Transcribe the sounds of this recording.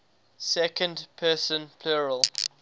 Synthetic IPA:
sɛkə̃ndpʰɜsə̃npʰluɹəlˠ

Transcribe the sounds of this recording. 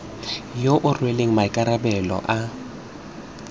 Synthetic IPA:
joʔʊrweleŋ̩maɪkʼaɾabɛlɔ̰ʔa

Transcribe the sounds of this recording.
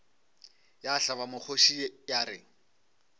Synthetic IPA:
jaɬaβamʊk͡xʰoʃiejaɾɪ

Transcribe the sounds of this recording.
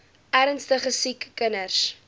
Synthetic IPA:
ʔæɾənstəχəsikːənərs

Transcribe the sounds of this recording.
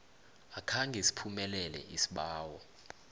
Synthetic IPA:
akʰaŋɡʱesi̥pʰumɛlɛlɛ̰ʔisi̥ɓaːwɔ

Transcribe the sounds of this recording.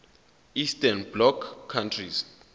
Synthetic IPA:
istʰɛnblɔkʰːantʰris

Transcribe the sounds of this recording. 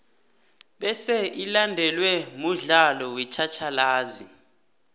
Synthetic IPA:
ɓɛsɛʔilandʱɛlwɛmuɮalɔwɛt͡ʃʰat͡ʃʰalaːzi

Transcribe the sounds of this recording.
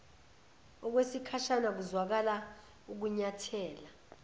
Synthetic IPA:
ɔk̬wesikʰaʃanak̬uzwak̬ala | uk̬uɲatʰɛːla

